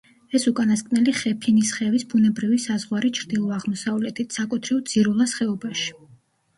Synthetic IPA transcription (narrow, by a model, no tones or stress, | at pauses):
ɛsukʼanaskʼnɛliχɛpʰinisχɛvisbunɛbɾivisazʁwaɾit͡ʃʰɾd̪ilˠɔaʁmɔsavlɛt̪ʰit̪ʰsakʼut̪ʰɾiɔd̪z̥iɾulˠasχɛɔbaʃi̥